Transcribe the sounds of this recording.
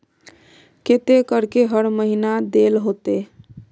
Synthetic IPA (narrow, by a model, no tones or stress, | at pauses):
ket̪ekəɾkeɦəɽməɦinad̪elɦot̪e